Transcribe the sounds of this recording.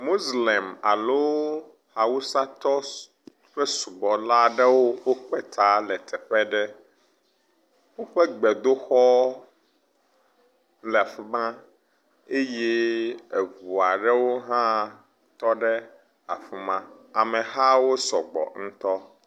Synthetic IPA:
mo˦zlɛ˨ma̰˨lo˦ | ha˨wu˦sa˦t̪ɔ˦ | ɸɛ˦su˨bɔ˨la˦ɖɛ˦wo˦wo˦k͡pɛ˦t̪ʰa˦lɛ˨t̪ʰɛ˨ɸɛ˦ɖɛ˦ | wo˦ɸɛ˦ɡ͡bɛ˨d̪o˦xɔ˦ | lɛ˨a˨ɸi˨mã˦ | e˦jɛ˦e˨vu˨a˨ɖɛ˦wo˦ɦã˦ | t̪ɔ˦ɖɛ˦ | a˨ɸu˨mã˦a˨mɛ̃˨ɦa˦wo˦sɔ˨ɡ͡bɔ̰˨ŋ̩̃˦t̪ɔ˦

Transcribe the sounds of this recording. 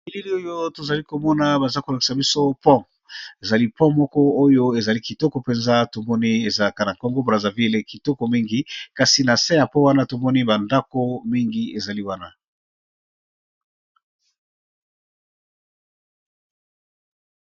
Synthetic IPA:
i˨li˦li˦o˦jo˦to˨za˨li˦ko˨mɔ˦na˦ba˨za˦ko˨la˨ki̥˨sa˨bi˦so˦pɔ̃˦ | e˨za˨li˦pɔ̃˦mɔ˦kɔ˦o˦jo˦e˨za˨li˦ki˨tɔ˦kɔ˨pe˨nza˦to˨mɔ˦ni˦e˨za˨la˨ka˨na˨ko˦ŋɡo˦bʁa˨za˨vi˦le˨ki˨tɔ˦ko˨mi˦ŋɡi˦ka˨si˨na˨sɛ̃˦ja˨pɔ˦wa˦na˦to˨mɔ˦ni˦ba˨nda˦ko˦mi˦ŋɡi˦e˨za˨li˦wa˦na˨

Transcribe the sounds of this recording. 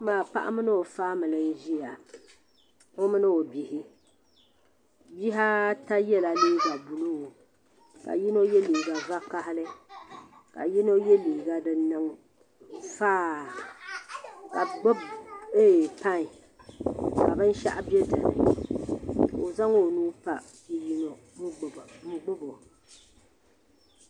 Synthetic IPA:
maː˨pa̰˦ʔa̰˦mɨ˦nɨ˦o˨faː˦mɨ˨lɨ˨˦ʒi˦ja˨ | o˦mɨ˦nɨ˦o˨bi˨hi˦ | bi˦ɦa˦ta˦jɛ˦la˨li˦ɡa˨bu˨lu˦o˨ | ka̰˨ji˦no˦jɛ˦liː˨ɡa˨va˦ka˦ɦɪ˦lɨ˦ | ka̰˨ji˦no˦jɛ˦liː˨ɡa˦dɨ˨nɨ˦ŋ | faː˦ | ka˨ɡ͡bbeː˦˨pa˦ŋ˨ | ka̰˨bɨ˦n˦ʃa̰˦ʔa˦bjɛ˦dɨ̰˨nɨ̰˨ | o˨za˦ŋo˨nuː˦pa˨ | i˦ji˦no˨ | m˦ɡ͡bbmɨ˦ɡ͡bʊ˦bo˨

